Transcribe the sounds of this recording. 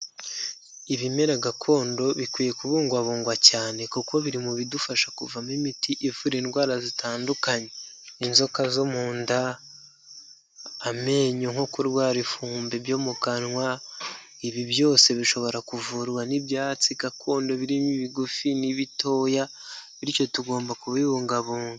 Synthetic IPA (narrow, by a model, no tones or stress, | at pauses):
iβime̞ɾaɡakʰo̞ːndo̞βikwije̞kuβuːŋɡwaβuːŋɡwacaːne̞kuko̞βiɾimuβidufaʃakuvamimitiʔivuɾiːnɡwaːɾazitaːndukaɲe̞ | inzo̞kazomuːnda | me̞ːɲoŋhokuɾɡwaːɾifuːmbe̞βjo̞ːmukanŋwa | iβiβjo̞ːse̞βiʃo̞βo̞ɾakuvuɾwaniβjaːt͡sikakʰoːndo̞βiɾimiβiɡufiniβito̞ːja | βiɾico̞tuɡo̞ːmbakuβiβuːŋɡaβuːŋɡa